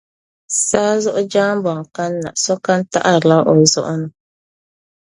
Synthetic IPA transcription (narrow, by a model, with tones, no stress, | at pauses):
saː˦zʊ˦ʔʊ˦d͡ʒaː˦m˦bɔ˨ŋ˨ka˦nːa̰˨sɔ˦ka˦n˦ta̰˦ʔa˨la˦ʔɔ˨zʊ˦ʔʊ˦nʊ˦